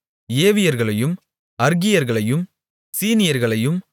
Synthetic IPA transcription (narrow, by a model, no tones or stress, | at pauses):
eːʋɪjɐɾɣɐɭɐjɯm | ɐɾɣɪjɐɾɣɐɭɐjɯm | siːnɪjɐɾɣɐɭɐjɯm